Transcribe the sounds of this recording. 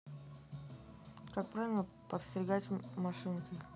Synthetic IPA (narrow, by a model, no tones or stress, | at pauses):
kak̚pɾavʲɪlˠə | pət̪sʲt̪ʲɾʲɪɡatʲmɐʂɨnkə